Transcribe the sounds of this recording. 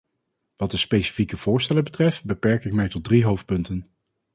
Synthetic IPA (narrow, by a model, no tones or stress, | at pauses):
ʋɑt̚dəspejsi̥fikəv̥ʊːɹstɛləbətrɛftbəpɛɹkɪk̚mɛjtɔd̚driɦowft̚pɵntən